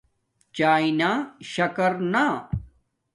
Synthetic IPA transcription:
t͡ɕaːinaːɕɐkɐɾna

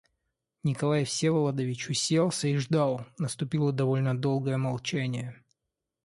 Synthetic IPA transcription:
nʲɪkɐlˠajfsʲevəlˠɐd̪ɐvʲɪt͡ɕʊsʲelˠsʲəɪʐd̪ɑlˠnəst̪ʊpʲilˠəd̪ɐvo̞lʲnəd̪o̞lˠɡəjəmɐlˠt͡ɕænʲɪjə

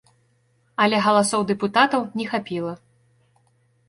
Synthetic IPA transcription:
ɐlʲɛɣɐlˠasɔwd̪ɛput̪at̪ɐwnʲɛxapʲilˠɐ

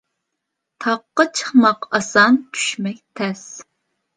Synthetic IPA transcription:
t̪ʰɑqːət͡ʃʰə̥χmɑqɑsɑnt̪ʰy̥ʃmɛkt̪ʰɛs

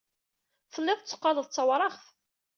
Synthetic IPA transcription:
fəlːɪðˤt͡sːə̥qːɑləðˤt͡sːɑwɾˤɑʁθ

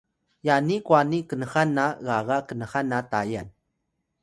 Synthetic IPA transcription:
janikwanikənəxanːaɣaɣakənəxanːataja̰n

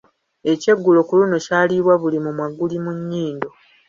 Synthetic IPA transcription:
e̞ce̞ɡːulo̞kuluno̞caːliβwaβulimumwaɡulimuɲːiːndo̞

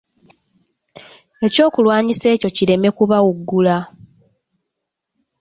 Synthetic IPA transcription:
e̞co̞ːkulwaːɲise̞ːco̞cile̞me̞kuβawuɡːula

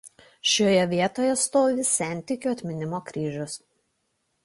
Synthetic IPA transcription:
ʃʲoːjɛʋʲiɛt̪oːjɛst̪oːʋʲɪsʲæˑnʲt̪ʲɪkʲuːɐt̪ʲmʲɪnʲɪmoːkɾʲiːʒʲʊs

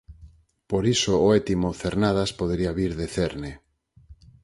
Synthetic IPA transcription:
poɾisooet̪imoθeɾnað̞aspoðeɾiaβiɾðeθeɾne

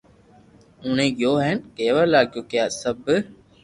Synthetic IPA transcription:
ʊnẽːɠɪjoːɦɛːnkeːʋəlaːɡjoːkɪjaːsəb

